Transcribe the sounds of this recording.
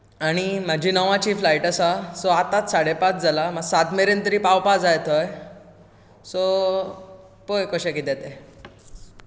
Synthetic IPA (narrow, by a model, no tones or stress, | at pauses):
aɽ̃im̤ad͡ʑʱiːnəʋãt͡ɕiːflaiʈəsasɔat̪at̪saɽ̤epat͡sd͡zʱalaməɡsat̪meɾent̪əɾiːpawpad͡zajt̪ʰɔj | sɔ | pojkɔɕekit̪ɛt̪e